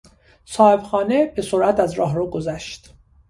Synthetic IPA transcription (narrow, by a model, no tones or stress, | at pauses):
sɒːhebxɒːnebe̞soɾʔæt̪æzɾɒːɦroːɡozæʃt̪